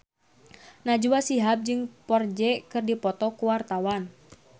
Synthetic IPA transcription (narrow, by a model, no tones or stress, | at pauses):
nad͡ʒuwasiɦap̚d͡ʒɨŋpɔrd͡ʒɛkɨrdipɔt̪ɔkuwart̪awan